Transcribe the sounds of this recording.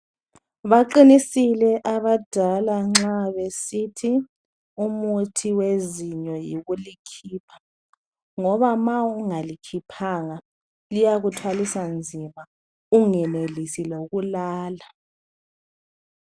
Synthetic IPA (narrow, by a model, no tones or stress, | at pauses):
βaǃinisilɛʔaβad̥ʱalaŋ͡ǁaβesitʰi | umutʰiweziɲɔjiɣulikʰiːpʰḁ | ŋɔβamauŋalikʰipʰaŋa | lijaɣutʰwalisand͡zʱima | uŋɛnelisiloɣulaːla